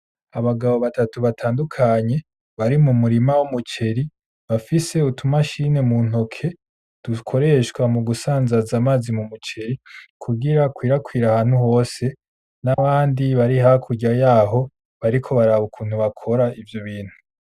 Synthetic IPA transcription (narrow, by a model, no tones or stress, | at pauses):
aβaɡaβo̞βatatuβatʰaːndukʰaɲe̞ | βaɾimumuɾimawumut͡ʃe̞ɾi | βafise̞utumaʃine̞muːn̥o̞kʰe̞ | d̥ukʰo̞ɾe̞ʃkwamuɡusaːnzazamaːzimumut͡ʃe̞ɾikʰuɡiɾakwiːɾakwiːɾahaːn̥huɦo̞ːse̞ | naβaːndiβaɾiɦakʰuɟajaːɦo̞ | βaɾikʰo̞βaɾaβukʰuːn̥huβakʰo̞ɾaivjoβiːn̥hu